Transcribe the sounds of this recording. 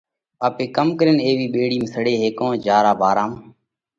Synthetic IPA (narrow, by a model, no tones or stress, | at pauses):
ɓaːpeːkəmkəɾɪneːʋiːɓeːɽiːmsəɽeːɦeːkõːd͡ʒaːɾaːbʱaːɾaːm